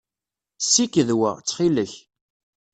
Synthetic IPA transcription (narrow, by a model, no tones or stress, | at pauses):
sːikəðwəʁt͡sːχiləç